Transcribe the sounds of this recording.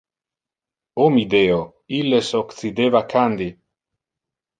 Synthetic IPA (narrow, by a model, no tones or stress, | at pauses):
omid̪eo | ilːesokt͡sid̪evakʰand̪i